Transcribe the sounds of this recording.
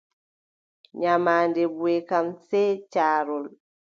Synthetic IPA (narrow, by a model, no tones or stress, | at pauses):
ɲamaːndɛbuɛkamsɛːt͡ʃaːɾɔl